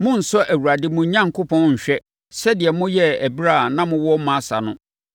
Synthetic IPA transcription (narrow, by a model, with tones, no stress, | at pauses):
mʊ̃˦n̩˨sɔ˦ʔæ˨wu˨ɾa˨dɪ˦mʊ̃˨˦ɲã˦ŋ̩˨kʊ˦pʰɔ̃˦nɲ̩˨ɕᶣɛ˦ | sɛ˦dɪ˨ɛ˨mʊ̃˦jɛ˦æ˨bi˦ɾa˦˨nã˦mʊ̃˦wɔ˦mã˦sa̰˨nʊ̃˦